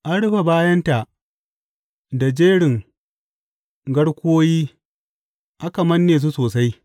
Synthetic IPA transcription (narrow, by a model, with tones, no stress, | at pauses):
ʔa˦ɽʊ˦ɸa˨baː˦jɐ˦nta˨ʔ | da˨d͡ʒeː˦ɽɪ˨ŋ | ɡɐ˦ɽkʷoː˦jiː˦ | ʔa˦ka˨mɐ˦nːeː˨s̬u˦soː˨sa˦j